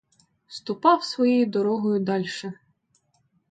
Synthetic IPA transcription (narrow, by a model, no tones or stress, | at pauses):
st̪ʊpɑwsʋɔjɛjid̪ɔɾɔɦɔjʊd̪ɑlʲʃɛ